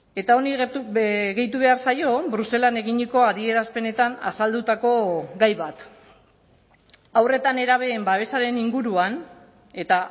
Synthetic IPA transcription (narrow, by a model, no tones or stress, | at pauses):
e̞t̪ao̞niɣuɣe̞jt̪uβe̞aɾsajo̞bɾuse̞lane̞ɣiɲiko̞aðie̞ɾaspe̞ne̞t̪ana̰sald̪ut̪ako̞ɡajβat̪ | awre̞t̪ane̞ɾaβ̞eːmbaβe̞saɾe̞niŋɡuɾuan | e̞t̪a